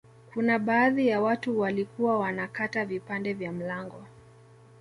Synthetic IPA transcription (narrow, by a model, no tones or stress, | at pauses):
kunaɓaːðijawatuwalikuwawanakatavipandɛvjam̩laŋɡɔ